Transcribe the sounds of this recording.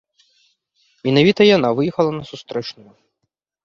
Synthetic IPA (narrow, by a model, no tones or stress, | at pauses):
mʲinɐvʲit̪ɐjɐnaʋɪjixɐlˠɐnɐsʊst̪ɾɛt͡ʃnʊjʊ